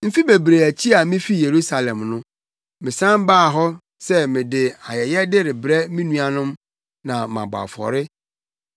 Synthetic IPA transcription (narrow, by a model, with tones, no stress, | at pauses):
m̩˦fi˦be˨bɾe˨æ˨t͡ɕʰi˦a˨mɪ̃˦fi˦je˨ɾu˦sa˨lɛ̃˨mnʊ̃˦ | mɪ̃˨sã˦m˦baː˦˨ɦɔ˦ | sɛ˦mɪ̃˨dɪ˨a˨jɛ˨jɛ˦dɪ˦ɾɪ˨bɾɛ˦mĩ˦nũ˦a˨nʊ̃˦m | nã˨mã̰˨ba̰˨fɔ̰˨ɾɪ˦